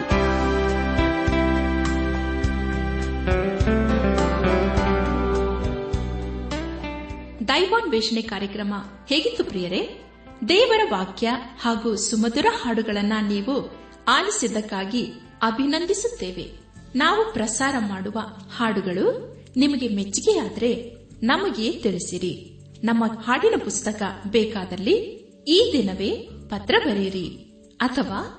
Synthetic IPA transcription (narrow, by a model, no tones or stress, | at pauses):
d̪ɐjʋaːnʋɛːʂɐɳekaːɾjɐkɾɐmɐ | heːɡit̪ːupɾijɐɾe̞ | d̪ɛːʋɐɾɐʋaːkjɐhaːɡuːsumɐd̪uɾɐhaːɽuɡɐɭɐnːɐniːʋu | aːlisid̪ɐkːaːɡi | ɐbʱinɐnd̪ʱisut̪ːeːʋe̞̰ | naːʋupɾɐsaːɾɐmaːɽuʋɐhaːɽuɡɐɭu | nimɐɡe̞met͡ʃːiɡeaːd̪ɐɾe̞ | nɐmɐɡe̞ːt̪iɭisiɾi | nɐmːɐhaːɽinɐpust̪ɐkɐbɛːkaːd̪ɐlːi | iːd̪inɐʋe̞ːpɐt̪ɾɐbɐɾiɾi | ɐt̪ʰɐʋaː